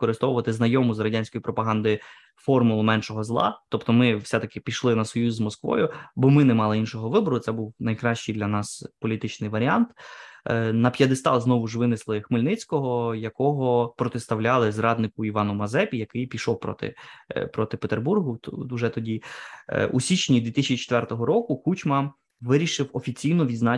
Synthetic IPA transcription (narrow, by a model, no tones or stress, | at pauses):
kɔɾɪst̪ɔwʊʋɐt̪ɪznɐjɔmʊzrɐdʲanʲsʲkɔjipɾɔpɐɦɑnd̪ɪ | fɔrmʊlˠʊmɛnʃɔɦɔzlˠɑ̰t̪ɔpt̪ɔmɪwsʲɛt̪ɐkɪpʲiʃlˠɪnɐsɔjuzʲzmɔskʋɔ̰jʊbɔmɪnɛmɑlˠɪinʃɔɦɔʋɪbɔɾʊt̪sɛbuwnɐjkɾɑɕt͡ʃijd̪lʲɐnɑspɔlʲit̪ɪt͡ʃnɪjʋɐɾʲiɑnt̪ | nɐpʲjɐd̪ɪst̪ɑznɔʋʊʒʋɪnɪslˠɪxmɪlʲnɪt͡sʲkɔɦɔjɐkɔɦɔpɾɔt̪est̪ɐwlʲɑlˠɪzrɑd̪nɪkʊiʋɑnʊmɐzɛpʲijɐkɪjpʲiʃɔwpɾɔ̰t̪ɪ̰pɾɔt̪ɪpet̪erburɦʊuʒɛt̪ɔdʲi | ṵsʲit͡ʃnʲid̪ʋʲit̪ɪsʲt͡ʃit͡ʃe̥t̪ʋɛrt̪ɔɦɔɾɔkʊxut͡ʃmɐ | ʋɪɾʲiʃɪwɔfʲit͡sʲijnɔʋʲid̪znɑ